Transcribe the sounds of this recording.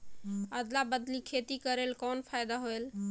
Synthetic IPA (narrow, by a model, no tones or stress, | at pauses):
əd̪labəd̪likʰet̪ikəɾelkɔnpʰajd̪aɦoel